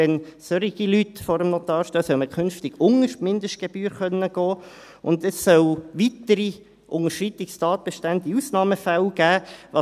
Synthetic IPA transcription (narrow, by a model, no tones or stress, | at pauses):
ɛnsøɾiɡ̥ilytfɔɾəmnot̪ɑːɾʃtøːsœlməkʰʏnftɪɡ̥ʊŋəʃtmɪnd̪əʃtɡ̥eb̥yːɾχœnːəɡ̥ɔː | ʊ̰nd̪əsːœwʋit̪əɾi | ʔʊŋəʃɾit̪ɪkstɑːt̪̚b̥eʃtænd̪iusnɑːməfælɡ̥æːʋɑ